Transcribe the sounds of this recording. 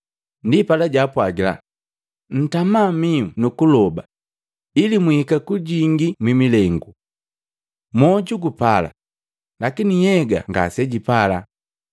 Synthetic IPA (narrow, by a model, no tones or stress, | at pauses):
ndipalaɟapwaɡila̰ | n̩tamamiunukulɔba | ilimwihikakuɟiŋɡimwimilɛŋɡu | mɔɟuɡupala̰ | lakinijɛɡa̰ŋɡa̰sɛɟipala